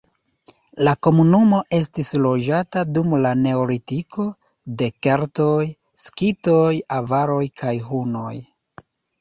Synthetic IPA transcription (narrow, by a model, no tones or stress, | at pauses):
lako̞munumo̞ʔe̞s̬tislo̞d͡ʒatadumlane̞olitiko̞ | de̞keɾtoj | skito̞javaɾo̞jkʰajɦuno̞j